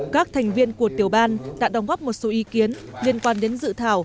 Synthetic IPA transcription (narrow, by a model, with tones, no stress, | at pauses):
kaː˦˥k̚t̪ʰɛ˨˩jŋ̟vi˧ənku˧˩ət̪i˨˩əwɓaː˧nɗa̰ː˧˥ɗa˨˦wŋ͡mɣɔ˦˥p̚mo˨˩t̚so˨˦ʔi˨˦ki˨˦ənli˧ənkwaː˧nɗe˨˦nzɨ̰˧˨t̪ʰaː˧˩w